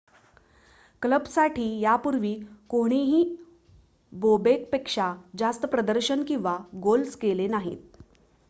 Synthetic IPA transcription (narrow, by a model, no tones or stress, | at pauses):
kləbsaʈʰiːjapuɾʋiːkoɽ̃iɦiː | bobekpekʂad͡zast̪əpɾəd̪əɾɕənkĩw̃ʋaɡolskelenaɦḭːt̪̚